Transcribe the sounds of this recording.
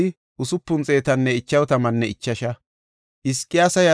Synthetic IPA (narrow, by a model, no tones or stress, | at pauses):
ɪ | ʔʊsʊpːʊnt͡sʼe̞ːt̪ɐnːɛɪt͡ʃːɐwt̪ɐmɐnːɛɪt͡ʃːɐʃɐ | ʔɪskʼːɪjaːsɐja